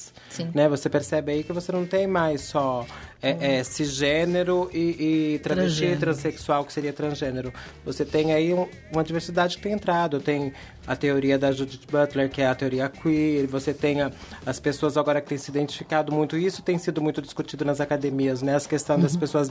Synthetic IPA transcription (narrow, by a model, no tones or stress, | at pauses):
s | sĩnɛvosepeɾsɛbɪaikɪvosenɐ̃w̃t̪ẽj̃majsɔɛɛsɪʒeneɾʊʔɪʔɪt̪ɾɐ̃t͡ʃit̪ɾɐ̃seksuawkɪ̥seɾiɐt̪ɾɐ̃zʒẽneɾʊ | voset̪ẽj̃aiũ | ũmɐd͡ʒiveɾsid̪ad͡ʒɪkɪ̥t̪ẽj̃ẽnt̪ɾad̪ʊt̪ẽj̃ | ɐt̪eoɾiɐd̪ɐʒud͡ʒit͡ʃbɐt̪leɾkɪɛɐt̪eoɾiɐkwiɾvoset̪ẽj̃ɐ | ɐspesoɐzaɡɔɾɐkɪ̥t̪ẽj̃sɪid̪ẽnt͡ʃi̥fikad̪ʊmũj̃t̪ʊisʊ̥t̪ẽj̃sid̪ʊmũj̃t̪ʊd͡ʒi̥skut͡ʃid̪ʊnɐzakad̪emiɐznɛɐskest̪ɐ̃w̃d̪ɐspesoɐz